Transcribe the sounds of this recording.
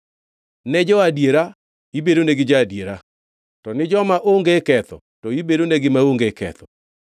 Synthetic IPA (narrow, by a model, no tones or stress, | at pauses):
nɛd͡ʒɔadjeɾa | ibedoneɡɪd͡ʒaːdjeɾa | tɔnɪd͡ʒɔmaʔoŋɡekɛt̪ɔ̰tɔibedoneɡɪmaoŋɡekɛ̰t̪ɔ